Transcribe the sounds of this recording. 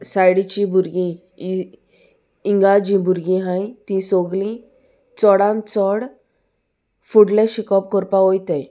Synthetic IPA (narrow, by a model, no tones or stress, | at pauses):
sajɽit͡ɕĩbʱuɾɡĩ | iŋɡad͡ʑĩbʱuɾɡĩɦãjt̪ĩsoɡlĩ | t͡sɔɽãnt͡sɔɽ | fuɽlẽɕikɔp̚kɔɾpaɦojt̪aj